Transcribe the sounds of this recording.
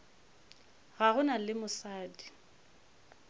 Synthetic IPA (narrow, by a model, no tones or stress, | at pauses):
ɣaɣʊnalɪmʊsaːdi